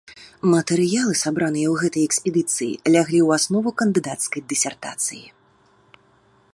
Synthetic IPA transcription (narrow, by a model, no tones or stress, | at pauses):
mɐt̪ɛɾɨjalˠɨsabɾanɨjɐwɣɛt̪ɐjɛksʲpʲɛd̪ɨt̪sɨjḭlʲaɣlʲiwasnɔvukɐnd̪ɨd̪at̪skɐjd̪ɨsʲɛrt̪a̰t̪sɨji